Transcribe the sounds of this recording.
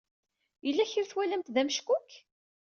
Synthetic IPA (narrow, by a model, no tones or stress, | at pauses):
jəlːæçiɾθwælæmt̪ðæməʃkʊk